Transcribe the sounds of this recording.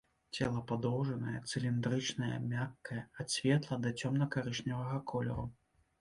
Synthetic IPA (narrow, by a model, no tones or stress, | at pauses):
t͡sʲɛlˠɐpad̪ɔwʐɐnɐjɛt̪sɨlʲind̪ɾɨt͡ʂnɐjɐ̰mʲakːɐjɐasʲvʲɛt̪lˠɐd̪ɐt͡sʲɔmnɐkaɾɨʂnʲɐvɐɣɐkʰɔlʲɛ̰ɾu